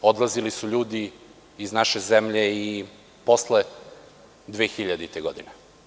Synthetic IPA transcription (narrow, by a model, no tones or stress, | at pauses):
od̪lˠazilisuʎuːd̪i | iznaʃezemʎei | po̞sle | d̪ʋeːxiʎad̪it̪eɡod̪ine